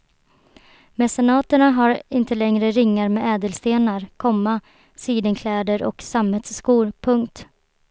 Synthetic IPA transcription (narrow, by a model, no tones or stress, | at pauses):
mɛsɛnɑːt̪əɳaɦaɾɪnt̪əlɛŋɾəɾɪŋːaɾmeːɛːd̪əlst̪eːnaɾkʰɔmːa | siːd̪ənkʰlɛːd̪əɾʔɔ̰ksamhɛt̪sːkuːɾpʰɵŋkt̪